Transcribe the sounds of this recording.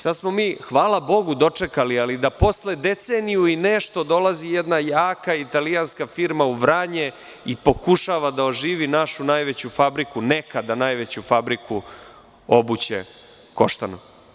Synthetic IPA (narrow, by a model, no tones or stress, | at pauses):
sad̪smo̞miːxʋaːlabo̞ɡud̪o̞t͡ʂe̞kalialid̪apo̞sled̪e̞t̪seːnijuineʃt̪o̞d̪o̞lazijed̪najaːkait̪alijanskafiɾmauʋɾaɲe | ipo̞kuʃaʋad̪aoʒiːʋinaʃunajʋet͡ɕufabɾikunekad̪anaːjʋet͡ɕufabɾiku | o̞but͡ɕḛ | ko̞ʃt̪ano